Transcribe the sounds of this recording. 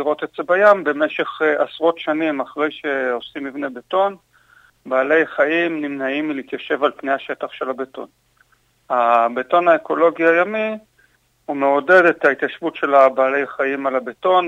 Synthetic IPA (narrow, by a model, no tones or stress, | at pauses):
iʁo̞tetz̥ebajambe̞me̞ʃe̞χasʁo̞tʃanimaχʁe̞jʃe̞o̞simivne̞beto̞n | baːle̞jaχaimnimnaimːiliit̪jaʃe̞valpne̞jhaʃe̞taχʃe̞labeto̞̰n | abeto̞naeko̞lo̞ɡiajami | umeo̞de̞detait̪jaʃvutʃe̞labaːle̞jaχajimalabeto̞n